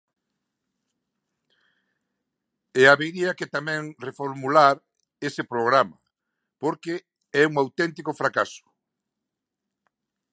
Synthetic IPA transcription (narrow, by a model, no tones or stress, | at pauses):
ɛaβeɣɾiaket̪amɛ̃ŋrefoɾmulaɾ | esepɾoɣɾama | poɾke | ɛuŋawt̪ɛnt̪ikofɾakasʊ̥